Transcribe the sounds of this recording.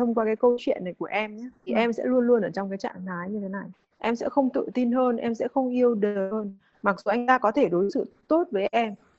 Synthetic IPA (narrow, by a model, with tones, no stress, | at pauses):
t̪ʰə˧wŋ͡mkwaː˧kaː˨˦jkə˧wt͡ɕwḭ˧˨ənːa˨˩jku˧˩əʔɛ˧mɲaː˨˦t̪ʰi˨˩ʔɛ˧msɛ̰˧˥lu˧ənlu˧ənʔəː˧˩t͡ɕɔ˧wŋ͡mkaː˨˦jt͡ɕa̰ː˧˨ŋnaː˨˦jɲɨ˧t̪ʰe˨˦na˨˩j | ʔɛ˧msɛ̰˧˥xə˧wŋ͡mt̪ɨ̰˧˨t̪i˧nɦəː˧nʔɛ˧msɛ̰˧˥xə˧wŋ͡mʔi˧əwɗə˨˩həː˧n | ma˨˩k̚zu˨˩ʔa˧jŋ̟t̪aː˧kɔ˨˦t̪ʰe˧˩ɗo˨˦jsɨ̰˧˨t̪o˦˥t̚vəː˨˦jʔɛ˧m